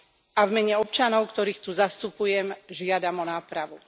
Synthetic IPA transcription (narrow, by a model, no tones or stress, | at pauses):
ʔavmɛɲɛɔpt͡ʃanɔʊkt̪ɔɾiːxt̪uzast̪upujɛmʒɪad̪amɔnaːpɾaʋu